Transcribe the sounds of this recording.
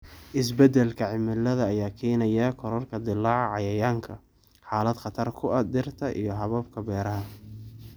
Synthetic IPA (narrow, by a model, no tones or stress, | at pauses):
ʔɪs̬bɛd̪ɛlkʰɐʕɪmɪlːɐðɐːjaːkʰɛːnɐjɐkʰɔɾɔrkʰɐd̪ɪlːaːʕʕɑjɐjaːŋkʰɐ | ħaːlɐd̪χɑt̪ʰɐrkʰʊɐd̪ɪrt̪ʰɐʔḭjɞɦɐβɐb̚kʰɐbɛːɾɐɦɐ